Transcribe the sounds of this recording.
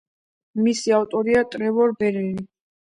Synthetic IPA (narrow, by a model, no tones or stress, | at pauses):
misiaft̪ʼɔɾiat̪ʼɾɛvɔɾbɛɾini